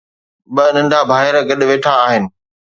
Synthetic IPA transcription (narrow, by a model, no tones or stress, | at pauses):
ɓɐnɐ̃ɳɖʱabʱaːɦɪɾɡɐɗʋeːʈʰaːɦɪnɪ̆